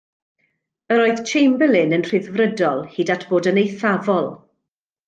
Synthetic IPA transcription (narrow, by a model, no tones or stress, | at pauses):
əɾoːɨð̥t͡ʃʰejmbɛlˠɪnənr̥ɪðvrədɔlˠhiːdatʰb̥oːdənejθavɔlˠ